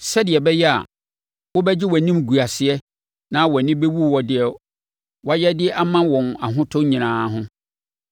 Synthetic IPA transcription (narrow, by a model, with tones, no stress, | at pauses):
sɛ˦dɪ˨ɛ˨bɛ˦jɛ˦a̰˨ | wɔ˦bɛ˦d͡ʑɪ˦wɔ˨nĩ˦mɡu˨a˨sɪ˨ɛ˦ | nã˦wɔ˨nɪ̃˦be˦wu˦˨wɔ˨dɪ˨ɛ˨ | wɔ˨˦jɛ˦dɪ˦a˦mã˦wɔ̃˨na˨ɦʊ̃˦tʰʊ̃˦ɲĩ˨nãː˨˦ɦʊ̃˦